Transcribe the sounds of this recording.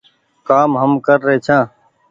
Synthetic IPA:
kaːmɦəmkəɾːəɦeːt͡ʃʰãː

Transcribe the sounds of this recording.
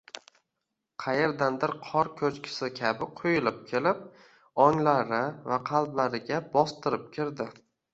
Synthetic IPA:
qʰɑjeɾd̪and̪ɪɾqʰɒɾkʲʰɵt͡ʃkʲʰɪ̥sɪkʲʰabɪqʰʊjɪlɪp̚kʲʰe̞lɪp̚ | ɒŋlaɾɪvaqʰɑlˠblaɾɪɡʲabɒst̪ɪɾɪp̚kʲʰɪɾd̪ɪ

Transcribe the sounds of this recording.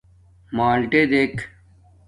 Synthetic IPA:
maːlʈeːd̪eːkʰ

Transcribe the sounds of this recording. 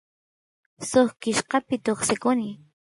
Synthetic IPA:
soχkɪʃqɑpɪt̪oχsɪkʊnɪ

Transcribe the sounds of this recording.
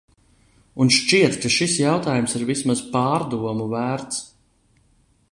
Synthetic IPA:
unʃt͡ʃiɛt̪kaʃisjawt̪aːjumsiɾvismazpɑːɾd̪uɔmuvæːɾt̪s

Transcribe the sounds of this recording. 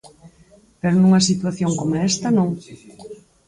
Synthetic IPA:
peɾonũŋɐs̬it̪waθjoŋkomoɛst̪ɐnõŋ

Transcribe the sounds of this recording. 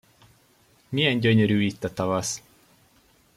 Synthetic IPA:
mijɛɲɟøɲøɾyːit̪ːɒt̪ɒvɒs

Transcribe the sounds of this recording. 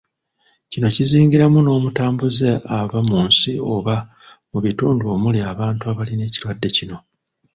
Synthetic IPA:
cino̞ciziːŋɟiɾamuno̞ːmutaːmbuzeaβamuːnsio̞βa | muβituːnduo̞ːmuliaβaːntuaβaline̞ːcilwadːe̞cino̞

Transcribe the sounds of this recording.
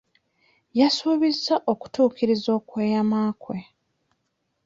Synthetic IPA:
jasuːβizaʔo̞ku̥tuːkiɾizo̞ːkweːjamaːkwe

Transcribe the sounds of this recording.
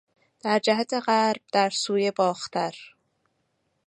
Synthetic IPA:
d̪̥æɾd͡ʒæɦæt̪ʰeɣæɾb̥̚d̪æɾsuːjebɒːxt̪ʰæɾ

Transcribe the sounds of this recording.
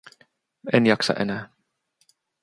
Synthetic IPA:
enjɑksɑ̰ʔenæː

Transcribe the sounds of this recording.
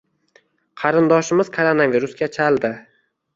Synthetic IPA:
qʰɑɾɪnd̪ɒʃɪmɪz̥kʰoɾonaviɾʊsɡʲat͡ʃʰald̪ɪ

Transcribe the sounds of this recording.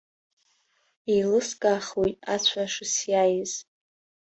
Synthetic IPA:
ilɨskʼaχujtʼat͡ɕʷʰaʂɨsjajɪz

